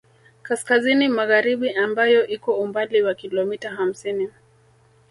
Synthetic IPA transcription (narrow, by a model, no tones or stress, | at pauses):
kaskazinimaɣaɾiɓiambajɔʔikɔumbaliwakilɔmitaɦam̩sini